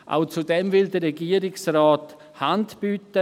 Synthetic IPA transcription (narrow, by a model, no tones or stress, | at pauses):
ʔa̰ʊt͡sudɛmvɪldəɾɛɡiːəɾɪksraːt | hantb̥yːtə